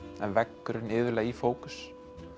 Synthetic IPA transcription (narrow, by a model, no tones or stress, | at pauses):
ɛnvɛkːʏɾɪnɪːðvʏlaifoːwkʏ̥s